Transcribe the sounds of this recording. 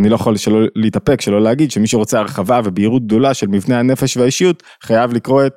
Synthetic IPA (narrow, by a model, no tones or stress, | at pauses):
anilo̞jaχolʃelo̞leit̪ape̞kʃe̞lo̞leaɡid̪ʃemiʃeʁo̞t͡seaʁχavave̞biːʁut̪̚ɡ̚d̪o̞laʃe̞lmivne̞hane̞feʃveaiʃijut̪ | χajavlikʁo̞et̚